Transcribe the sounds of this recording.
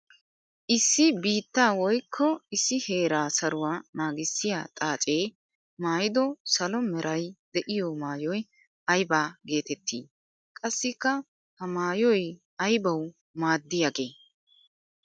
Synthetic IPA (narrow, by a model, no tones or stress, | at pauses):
ʔɪsːɪbiːt̪ːaːwɔjkʰːɔɪsːɪheːɾaːsɐɾʊwaːnaːɡɪsːɪja̰ːt̪ʼaːt͡ʃʼe̞ː | maːjɪd̪ɔsɐlɔmɛɾʔɐjd̪ɛʔɪjɔmaːjɔj | ɐjbaːɡe̞ːt̪ɛt̪ʰːḭː | kʼɐsːɪkːɐ | hɐmaːjɔj | ɐjbɐw | maːd̪ːɪjɐɡeː